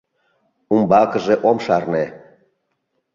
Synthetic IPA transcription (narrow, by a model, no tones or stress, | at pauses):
umbɑkɤ̆ʒeʔomʃɑrne